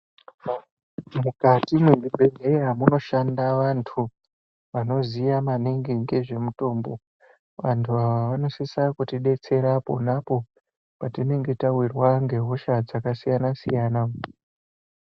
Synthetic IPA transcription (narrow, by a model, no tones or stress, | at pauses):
mukatimwenibʱeŋɡeeɦamuno̞ʃandaʋantʰu | ʋano̞zijamaneŋɡiŋɡe̞ʐe̞muto̞ːmbo̞ | ʋantʰuaʋaʋano̞sesakutiɗe̞t͡se̞ɾapo̞̰napo̞ | patine̞ŋɡe̞tawirwaŋɡe̞ɦo̞ʃad͡zakasijanasijaːna